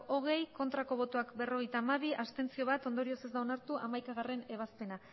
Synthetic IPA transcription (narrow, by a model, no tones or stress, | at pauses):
o̞ɣ̞e̞jko̞nt̪ɾako̞β̞o̞t̪oakbe̞ro̞ɣejt̪aːmaβ̞iast̪e̞nt͡sio̞β̞at̪o̞nd̪o̞ɾio̞se̞zd̪aonaɾt̪uʔa̰majkaɣ̞are̞ne̞β̞aspe̞na